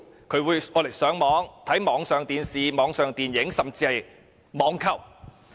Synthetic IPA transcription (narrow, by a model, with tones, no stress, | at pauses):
kʰɵ˨˧ɥwuː˨˧jɔː˨˧le˨˩jsœː˨˥ŋmɔː˨˧˥ŋt̪ʰɐ˨˥jmɔː˨˧ŋsœː˨ŋt̪iː˨˧nsiː˨mɔː˨˧˥ŋsœː˨ŋt̪iː˨njɪ˨˥ŋsɐ˨mt͡siː˧hɐ˨j | mɔː˨˧ŋkʰɐ˨˩w